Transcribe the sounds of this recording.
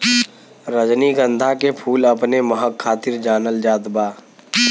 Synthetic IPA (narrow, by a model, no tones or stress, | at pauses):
ɾəd͡ʒniɡə̃nd̪ʱakepʰuːləpneməɦəkʰːaːt̪ɪɾd͡ʒaːnəld͡ʒaːd̪baː